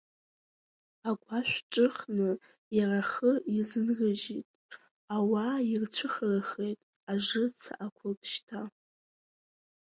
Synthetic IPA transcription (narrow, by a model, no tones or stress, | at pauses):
aɡʷaʃᶣʷʈ͡ʂʼɨχnɨ | jaraχəizɨnɡɨʒitʼ | awairt͡ɕʷʰɨχəraχejtʼ | aʐɨt͡sʰa̰ʔakʷʰʊltʰʼʃtʰa